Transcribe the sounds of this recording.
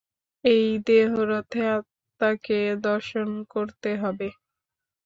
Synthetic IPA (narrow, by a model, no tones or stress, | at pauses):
ejd̪eɦoɾot̪ʰeat̪ː | aked̪ɔɾʃonkoɾt̪eɦɔbe